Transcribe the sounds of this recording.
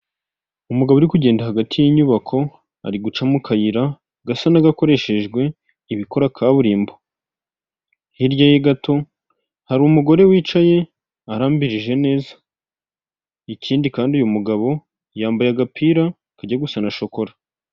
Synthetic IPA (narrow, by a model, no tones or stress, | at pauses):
umuɡaβouɾikuɟe̞ːndahaɡatʰijiɲuβakʰo̞ | a̰ɾiɡut͡ʃamukʰajiɾa | ɡasanaɡako̞ɾe̞ʃe̞ʒɡwe̞ | iβiko̞ɾakʰaːβuɾiːmbo̞ | hiɾɟajeɡatʰo̞ | haɾumuɡo̞ɾe̞wiːt͡ʃaje̞ | aɾaːmbiɾiʒe̞ne̞ːzḁ | icʰiːndikaːndujumuɡaβo̞ | jaːmbajaɡapʰiːɾa | kaɟaɡusanaʃo̞ko̞ɾa